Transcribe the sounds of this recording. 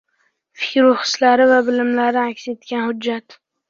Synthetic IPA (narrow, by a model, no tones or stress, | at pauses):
fɪkʲɾʊχɪ̥slaɾɪvabɪlɪmlaɾɪakʲse̞t̪ɡʲanhʊd͡ʒːat̪